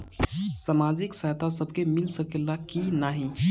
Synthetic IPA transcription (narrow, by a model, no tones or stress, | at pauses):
səmad͡ʒiksəjt̪asəbkemɪlsəkelakinaɦĩ